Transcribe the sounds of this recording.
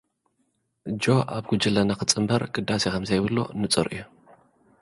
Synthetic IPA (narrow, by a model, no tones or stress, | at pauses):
d͡ʒo̞ʔaβɡ̥ud͡ʒɨlɐnakɨt͡sʼɨmbɐɾɡɨd̪ːasekʰɐmzɐjβɨlːo̰nɨt͡sʼɐɾʔɨ̰ju